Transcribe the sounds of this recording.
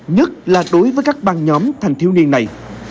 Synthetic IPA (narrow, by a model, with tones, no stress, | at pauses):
ɲə˦˥t̚laː˨˩ɗo˨˦jvəː˨˦jkaː˦˥k̚ɓaː˧˩nɲɔ˨˦mt̪ʰɛ˨˩ŋt̪ʰi˧wni˧ənːa˨˩j